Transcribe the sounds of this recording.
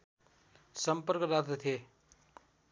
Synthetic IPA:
səmpəɾkɾat̪t̪ʰe

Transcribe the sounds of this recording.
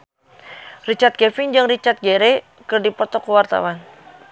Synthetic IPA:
rit͡ʃat̪̚kɛfɪŋd͡ʒɨŋrit͡ʃart̪̚ɡeɾɛ | kɨrdipɔt̪ɔkuwart̪a̰wan

